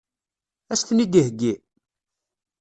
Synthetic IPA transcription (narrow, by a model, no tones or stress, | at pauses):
æst̪nid̪ihɡːi